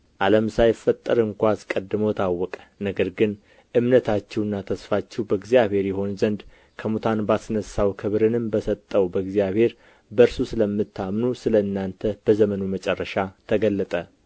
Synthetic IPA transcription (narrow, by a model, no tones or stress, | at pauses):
ʔaləmsajɪfːət̪ʼːəɾɨŋkʷaskʼəd̪ːɨmowt̪ʰawːɔkʼə̥nəɡəɾɡɨn | ʔɨmnət̪ʰat͡ʃːɛwɨnːat̪ʰəsfat͡ʃːɛwbəɡzijaβhe̞ɾjɛɦo̞nzənd̪ | kʰəmut̪ʰanbasnəsːawkʰɨβɾɨnɨmbəsət̪ʼːəwbəɡzijaβhe̞ɾ | bəɾsusɨləmːɨt̪ʰːamnusɨləɨnːant̪ʰəb̥əzəmənumət͡ʃʼɛrːəʃat̪ʰəɡəlːət̪ʼə